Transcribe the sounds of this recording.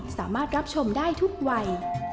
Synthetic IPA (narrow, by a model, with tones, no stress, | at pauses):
saː˩˦maː˥˩t̪̚ɾa˦˥p̚t͡ɕʰo˧mdaː˥˩jt̪ʰu˦˥k̚wa˧j